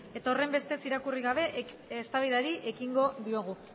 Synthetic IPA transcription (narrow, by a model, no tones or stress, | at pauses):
e̞t̪ao̞re̞mbe̞st̪e̞siɾakuriɣaβ̞e̞ | est̪aβiðaɾiʔe̞kiŋɡo̞ðio̞ɣ̞u